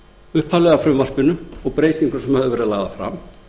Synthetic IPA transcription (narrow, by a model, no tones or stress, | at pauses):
ʏhphalɛɣafɾʏmvar̥pɪnʏɔɣpɾeːjt̪iŋkʏsɛmhaðʏvɛːɾɪðlaːɣðafɾa̰m